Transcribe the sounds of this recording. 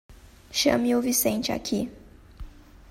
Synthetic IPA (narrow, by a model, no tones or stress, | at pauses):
ʃɐ̰̃miʊvisẽnt͡ʃɪa̰kʰi